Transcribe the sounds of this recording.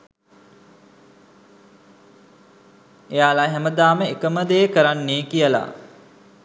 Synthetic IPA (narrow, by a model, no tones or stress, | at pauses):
ejaːlaɦɛməd̪aːməekəməd̪ejəkəɾanːeːkijəla̰